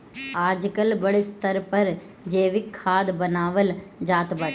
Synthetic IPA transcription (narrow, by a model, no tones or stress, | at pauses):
aːɾd͡ʒikɐlbɐɭist̪ɐɾpɐɾ | d͡ʒeːʋikʰːaːd̪bɐnaːʋɐld͡ʒaːt̪bɐɾ